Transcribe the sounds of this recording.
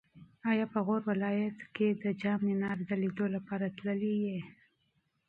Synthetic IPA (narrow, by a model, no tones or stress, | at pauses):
ɑjɑpəɣoɾwɪlɑjat̪ked̪əd͡ʒɑmnenɑɾd̪əlid̪olapɑɾat̪ləlije